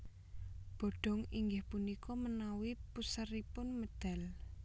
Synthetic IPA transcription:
b̥ɔ̤ɖ̥ɔ̤ŋiŋɡɪhpunikʰɔmənawipusəripʊnməd̪̥a̤l

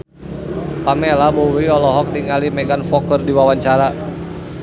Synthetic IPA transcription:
pamelabɔwiɔlɔɦɔk̚niŋalimɛɡanfɔkərdiwawaɲt͡ʃaɾa

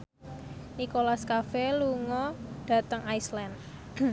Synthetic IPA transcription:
nikolaskafeluŋɔɖ̥ä̤t̪əŋajslɛn

